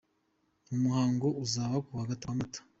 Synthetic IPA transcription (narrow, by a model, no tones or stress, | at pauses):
umuhaːŋɡouzaːβakuaɡataamatḁ